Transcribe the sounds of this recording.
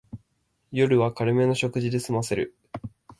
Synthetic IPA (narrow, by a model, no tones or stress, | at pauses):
jo̞ɾɯ̟βakaɾɯ̟me̞no̞ɕo̞kɯ̟ʑid̪e̞sɨmase̞ɾɯ̟̰